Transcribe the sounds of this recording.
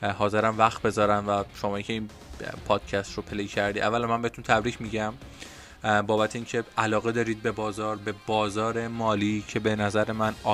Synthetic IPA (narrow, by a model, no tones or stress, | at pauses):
hɒːze̞ɾæmvæxt̪̚be̞zɒːɾæmvæʃomɒːjicʲʰe̞iːn | pʰɒːd̪̥cʰæst̪ropʰelejcʰæɾd̪iːævːælæmænmbehet̪ʰunt̪ʰæbɾiːcʰmiːɟæm | bɒːbæt̪ʰeiːncʰe̞ælɒːɣe̞d̪ɒːɾiːd̪̚be̞bɒːzɒːɾbe̞bɒːzɒːɾe̞mɒːliːcʰe̞be̞næzæɾe̞mænɒ